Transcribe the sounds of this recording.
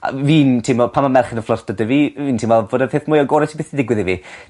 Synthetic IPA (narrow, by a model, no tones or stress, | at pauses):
a̰viːntʰɪmɔpʰamamɛrχənəflˠɔrd̥ədəviviːntʰɪmvɛlˠvoːdəpeθmʊjɔɡoːɾɛtʰi̥beːθidɪɡwɪðivi